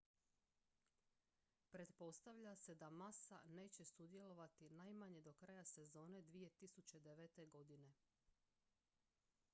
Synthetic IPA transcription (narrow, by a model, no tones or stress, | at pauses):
pɾe̞t̪po̞st̪aʋʎase̞d̪amasane̞ːt͡ɕe̞sud̪ije̞lo̞ʋat̪inajmaɲe̞d̪o̞kɾajase̞zo̞ːne̞d̪ʋije̞t̪isut͡ɕe̞d̪eʋet̪e̞ɡo̞d̪ine̞